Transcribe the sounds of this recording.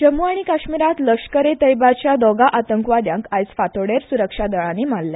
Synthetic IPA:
d͡ʑəmuaɽ̃ikaɕmiɾat̪ləkʂkəɾet̪əjbat͡ɕjad̪ɔɡaʔat̪əŋkʋad̪jãŋkajsfat̪oɽeɾsuɾəkʂad̪əɭãnimalːja

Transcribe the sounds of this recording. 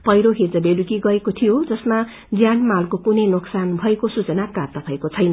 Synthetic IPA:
pʌjɾoɦed͡zʌbelukiɡʌekot̪ʰijod͡zʌsma | d͡zjanmalkokunʌjnoksanbʱʌekosut͡sʌnakart̪ʌpaekot͡sʰʌjnʌ

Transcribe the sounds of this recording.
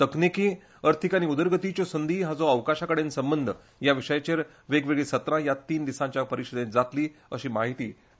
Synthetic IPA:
t̪əknikiː | əɾt̪ʰikaniud̪əɾɡət̪it͡ɕɔsənd̪ʱiːɦad͡zɔəʋkaɕakəɽẽnsəmbənd̪ʱə | jaʋiʂəjat͡ɕeɾ | ʋeɡʋeɡɭesət̪ɾãjat̪iːnd̪isãɲt͡ɕjapəɾiɕəd̪ẽd͡zat̪liːəɕiːmaɦit̪iː

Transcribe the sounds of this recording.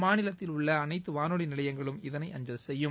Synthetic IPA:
maːnɪlɐt̪ːɪlʊɭːɐːnɐɪt̪ːɯʋaːnoːɽinɪlɐjɐŋɡɐɭɯmɪðɐnɐɪʔɐɲd͡ʒɐlsɛjːɯm

